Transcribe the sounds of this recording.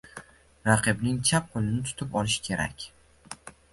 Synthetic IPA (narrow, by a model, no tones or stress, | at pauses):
ɾaqʰɨbnɪŋt͡ʃʰap̚qʰolɪnɪt̪ʰʊ̥t̪ʰɪpɒlɪʃkʲʰe̞ɾa̰kʲ